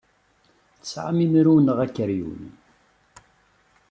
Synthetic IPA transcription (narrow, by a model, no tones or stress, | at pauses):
θsʕa̰mimɾuwnəʁækːəɾjṵn